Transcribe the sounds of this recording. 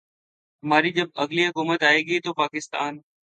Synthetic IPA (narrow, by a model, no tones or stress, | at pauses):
ɦmaːɾiːd͡ʑəb̚ɐɣliːɦʊkuːmət̪aːɦeːɠəiːt̪oːpaːkɪst̪a̰ːn